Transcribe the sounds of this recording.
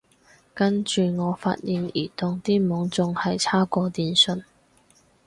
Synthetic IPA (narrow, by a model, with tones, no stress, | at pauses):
kɐ˥nt͡ʃyː˨˧ŋɔː˨˧fa̰ː˧t̚ji˨niː˨˩t̪ʊ˨ŋt̪iː˥mʊ˨˥ŋt͡sʊ˧ŋhɐ˨jt͡sʰaː˥kɔː˧t̪iː˧nsɵ˧n